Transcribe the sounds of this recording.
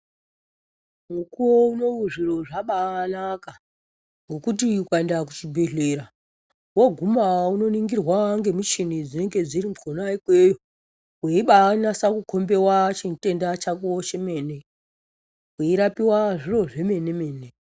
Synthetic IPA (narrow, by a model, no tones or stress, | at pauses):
mukuwouno̞uʐiro̞ʐaɓanaka | ŋɡokut̬iukaendakut͡ʃibʱeɮeɾa | woɡʱumauno̞niŋɡirwaŋɡe̞mut͡ʃinid͡zine̞ŋɡe̞d͡ziɾimkonaikwejo | weiɓanasakukʰo̞mbe̞wat͡ʃite̞ndat͡ʃakuoʃe̞me̞ːne | weiɾapiwaʐiro̞ʐe̞me̞ne̞me̞ːne